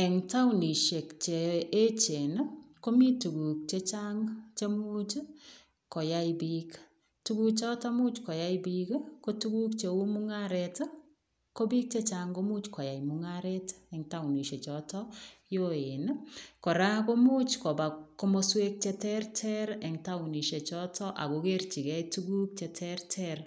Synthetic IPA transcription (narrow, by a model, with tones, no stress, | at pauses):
ɛ˨ŋta˦wni˨ʃe˨kt͡ʃeː˨˦t͡ʃe˨nko˦mi˦tu˨ku˨k̚t͡ʃe˦t͡ʃaŋt͡ʃe˦mu˦t͡ʃ | kɔ˨ja˦ibik | tuku˦kt͡ʃɔ˦ta˦mu˦t͡ʃkɔ˨ja˦ibikko˦tu˦ku˦kt͡ʃe˨u˦muŋaɾɛt | ko˦bi˦k̚t͡ʃe˦t͡ʃaŋɡomu˦t͡ʃkʰɔ˨ja˨imuŋaɾɛ˦tɛ˨ŋta˦wni˨ʃe˨t͡ʃɔtɔjo˦enkɔ˨ɾa˦ko˦mu˦t͡ʃko˨ba˨ko˦mo˦swe˦k̚t͡ʃɛ˦tɛrtʰɛ˦ɾɛŋta˦uni˨ʃe˨t͡ʃɔtʰɔ˦ʔa̰˨ko˨ke˦rt͡ʃi˨kɛ˦jtuɡu˦k̚t͡ʃɛ˧tʰɛrtʰɛr